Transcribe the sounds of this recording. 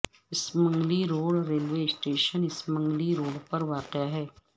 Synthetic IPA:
ɪsmə̃ŋɡliɾoːɽɾeːlʋeːsʈeːʃənɪsmɐ̃ŋɡliɾoːɽpɐɾʋaːtjaɦɛː

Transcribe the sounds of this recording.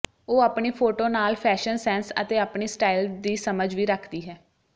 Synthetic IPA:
oːaːpɳiːpʰoːʈoːnaːlpʰɛːʃənsɛːnsə̰t̪eːaːpɳiːsʈaːild̪iːsəməd͡ʒʋiːɾəkʰd̪iːɦɛː

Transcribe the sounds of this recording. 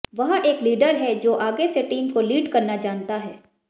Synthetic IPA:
ʋɐɦeːkliːɖəɾɦɛd͡ʒoːʔaːɡeseʈiːmkoliːɖkɐɾnad͡ʒaːnt̪aɦɛː

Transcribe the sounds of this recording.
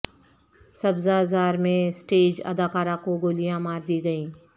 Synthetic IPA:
sɐbzazaːɾmẽsʈeːd͡ʒɐ̰d̪aːkaːɾãkoɡoːlijãmaːɾd̪iːɡɐĩː

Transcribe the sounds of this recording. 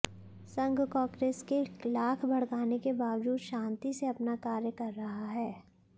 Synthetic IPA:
sɐ̃ŋɡkɔ̃ːkɾeːskeklaːkʰbʱɐɽ̤kaːnekebaːʋd͡ʒuːd̪ʃãːnt̪iseɐpnakaːɾjəkɐɾːɐɦaɦɛː

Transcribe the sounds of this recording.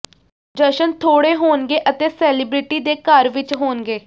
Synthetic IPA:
d͡ʒəʃənt̪ʰoːɽeːɦoːnɡeːʔət̪eːsɛːlɪːbɾɪʈiːd̪eːkəɾʋɪt͡ʃɦoːnɡeː

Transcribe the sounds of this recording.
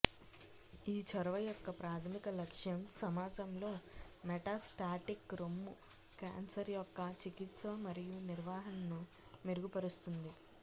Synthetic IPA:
iːt͡ʃɐɾɐʋɐjɔkːɐpɾaːt̪ʰɐmikɐlɐkʂjɐmsɐmaːd͡ʒɐmlo̞ːmɛʈaːsʈaːʈikɾomːu | ka̰ːnsɐɾjɔkːɐt͡ʃikit̪sɐmɐɾijuniɾʋaːɦɐnmnu | meɾuɡupɐɾust̪und̪i

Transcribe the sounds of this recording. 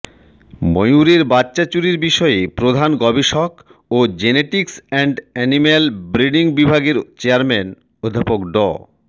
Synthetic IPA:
mojuɾeɾbatːɕat͡ɕuɾiɾbiʃɔepɾod̪ʱanɡɔbeʃɔk | od͡ʑeneʈiksɛɳɖɛnimelbɾiɖiŋbibʱaɡeɾt͡ɕeaɾmen | od̪ʱːapokɖɔ̰

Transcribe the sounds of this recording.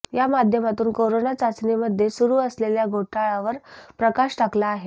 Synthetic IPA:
jamad̪ʱjəmat̪uːnkoɾonat͡sat͡sniməd̪ʱːjesuɾuːəsleljaɡʱoʈʰaɭaʋəɾpɾəkaɕʈaklaːɦe

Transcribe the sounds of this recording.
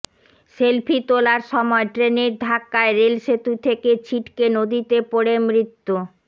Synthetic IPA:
selpʰit̪olaɾʃɔmɔeʈɾeneɾd̪ʱakːaeɾelʃet̪ut̪ʰeket͡ɕʰiʈkenod̪it̪epoɽemɾit̪ːo

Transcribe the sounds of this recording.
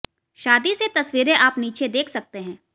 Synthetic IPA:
ʃaːd̪iset̪ɐswiːɾẽʔaːpniːt͡ʃʰed̪eːkʰsɐk̚t̪eɦɛ̃ː

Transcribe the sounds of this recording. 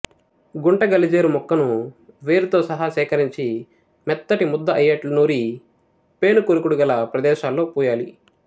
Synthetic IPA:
ɡuɳʈɐɡɐlid͡ʒeːɾumɔkːɐnu | ʋe̞ːɾut̪o̞ːsɐɦɐʃɛːkɐɾiɲt͡ʃi | mɛt̪ːɐʈimud̪ːɐʔɐjːɐʈlunoːɾi | pe̞ːnukoɾukuɽuɡɐlɐpɾɐd̪ɛːʃaːlːo̞ːpuːjaːlḭ

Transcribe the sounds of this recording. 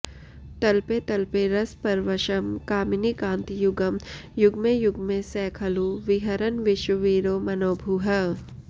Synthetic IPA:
t̪ɐlpet̪ɐlpeɾɐspɐɾʋɐʃɐmkaːmɪnikãːnt̪ijʊɡəmjʊɡmẽjʊɡmẽsɛːkʰɐluʋɪɦɐɾənʋɪʃwəʋiːɾoːmɐnoːbʱuɦɐ

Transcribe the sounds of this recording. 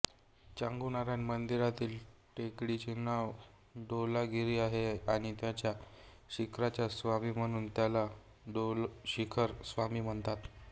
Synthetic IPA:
t͡ɕaŋɡunaɾjanmənd̪iɾat̪iːlʈekɽit͡ɕinaʋ | ɖolaɡiɾiːaɦeaɽ̃it̪jat͡ɕja | ɕikʰɾat͡ɕjasʋamiːm̤əɽ̃uːnt̪jala | ɖolɕikʰəɾsʋamiːm̤əɳt̪at̪

